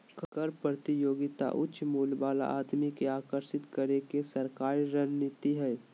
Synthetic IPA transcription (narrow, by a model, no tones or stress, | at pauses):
kkəɾpɾət̪ijoːɡɪt̪a̰ʔʊ̰tːʃmuːlbaːla̰ʔaːd̪mikeaːkəɾʃɪt̪kəɾekesɐɾkaːɾɾənnɪt̪iɦɛː